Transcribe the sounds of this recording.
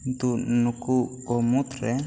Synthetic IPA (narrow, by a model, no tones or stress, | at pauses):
nt̪unukukɔmut̪rɛ